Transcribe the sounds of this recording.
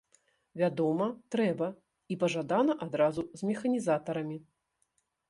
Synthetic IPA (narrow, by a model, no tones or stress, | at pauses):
vʲad̪ɔmɐt̪ɾɛbɐ | ipɐʐad̪anɐʔad̪ɾazuzʲmʲɛxɐnʲizat̪ɐɾɐmʲi